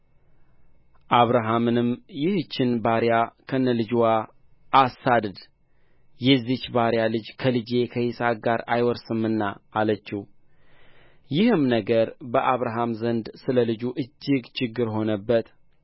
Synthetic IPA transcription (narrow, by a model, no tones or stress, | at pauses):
ʔaβɾaɦamɨnɨmjɪht͡ʃːɪnbaɾjakʰənːəlɨd͡ʒwaː | sad̪ɨd̪ | jɛzːit͡ʃːbaɾjalɨd͡ʒkʰəlɨd͡ʒe̞kʰəhisak̚ɡaɾa̰jwɔɾsɨmɨnːaːlət͡ʃːɪh | jɪhɨmnəɡəɾbəʔaβɾaɦamzənd̪sɨləlɨd͡ʒuʔɨd͡ʒːɪɡt͡ʃʰɪɡːɨɾɦo̞nəbːət̪